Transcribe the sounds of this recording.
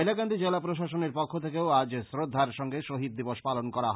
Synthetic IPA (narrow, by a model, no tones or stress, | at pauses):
elakand̪id͡ʑelapɾoʃaʃoneɾpɔkʰːot̪ʰekeoad͡ʑsɾod̪ʱːaɾʃɔŋɡeʃoɦid̪̚d̪iboʃpalonkɔɾaɦ